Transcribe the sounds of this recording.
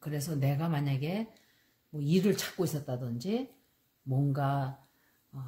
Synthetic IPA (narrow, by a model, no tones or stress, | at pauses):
kɯɾe̞sʰʌne̞ɡamaɲaɡe̞ | mwʌiɾɯɭt͡ɕʰḁk̚k͈ois͈ʌt̚t͈adɯnd͡ʑi | mwʌnɡa | ʌ